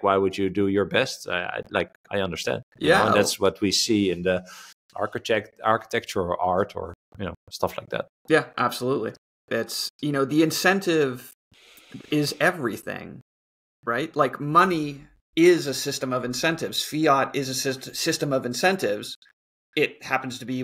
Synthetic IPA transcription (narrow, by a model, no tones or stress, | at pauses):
waɪwɨd͡ʒɨdɨjə˞bɛsta̰ɪa̰ɪla̰ɪk | aɪʌ̃ndə˞stæ̰̃nd̥̚jɨj̰æõnðætswʌt̚wisiɪ̃nðə | ʔɑ̰ɹkɨtʰɛktɑɹkə̥tʰɛk̚t͡ʃə˞əʔɑɹtʰə̰˞ | jɨnoʊstʌfla̰ɪk̚ðæ̰t̚jæʔæb̥səlutˡlḭ | ðætsjɨnoʊðiɨ̃nsɛ̃ntʰɪv | ɪzɛvɹiθɪ̰̃ŋ | ɹaɪt̚laɪkmʌni | ɪzɨsɪstɨ̃mʌvɨ̃nsɛ̃ntɨvz̥fiɑɾɪzɨsɪsɪstɨ̃mʌvɨ̃nsɛ̃ntɪvz̥ | ɪt̚hæpn̩z̥tʰɨbi